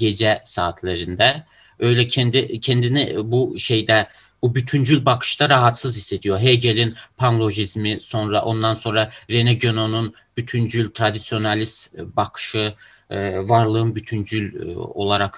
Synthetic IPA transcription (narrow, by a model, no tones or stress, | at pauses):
ɟe̞d͡ʒɛsaːt̪ʰlʲeɾind̪ɛ | ø̞jlʲɛcʰɛnd̪icʰɛnd̪inibuʃe̞jd̪ɛ | bubyt̪ʰynd͡ʒylʲbakʰɯ̥ʃt̪aɾaɦat̪sɯzise̞t̪ʰijo̞ɾɦejɟelʲinpʰanlˠo̞ʒizmiso̞nɾaʔo̞nd̪anso̞nɾaɾenɛɟøno̞nun | b̥yt̪ʰynd͡ʒylʲt̪ʰɾad̪isijo̞nalʲist̪bakʰɯ̥ʃɯ | vaɾlˠɯɯnbyt̪ʰynd͡ʒylʲo̞̰lˠaɾak